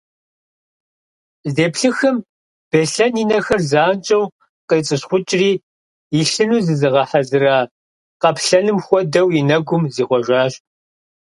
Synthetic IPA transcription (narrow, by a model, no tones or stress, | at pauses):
zeːpɬɨxɨm | b̥eɬɐninɐxɐrzaːnt͡ʃʼɐw | qet͡sʼɨɕχʷʊt͡ʃʼriː | iɬɨnuːzɨzɨʁɐħazɨraː | qɐpʰɬɐnɨmxʷɔdɐwinɐɡʷʊmziːχʷɔʒʷaːɕ